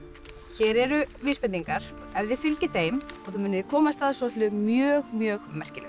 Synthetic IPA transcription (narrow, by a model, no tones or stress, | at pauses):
çɛːɾɛɾʏviːspɛnt̪iŋkaɾ̥ | ɛvðɪfɪlcɪθejmɔɣθumʏnɪðɪkʰɔːmast̪aːðsɔːt̪lʏmjœːɣmjœːɣmɛr̥cɪlɛ̰